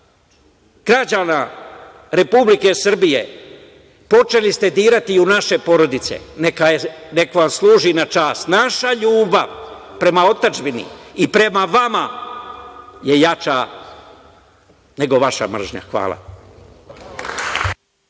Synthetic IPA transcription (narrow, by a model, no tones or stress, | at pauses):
ɡ̥ɾad͡ʑana | ɾe̞publike̞sr̩bije̞̰ | po̞t͡ʃe̞list̪e̞d̪iːɾat̪iunaʃe̞po̞ɾo̞d̪it̪sḛnekajene̞koʋamslˠuːʒinat͡ʃaːst̪naʃaʎuːbaʋ | pɾe̞mao̞t̪ad͡ʒbinḭipɾe̞maʋama | je̞jat͡ʃa | ne̞ɡo̞ʋaʃa̰mr̩ʒɲa̰xʋa̰ːlˠa̰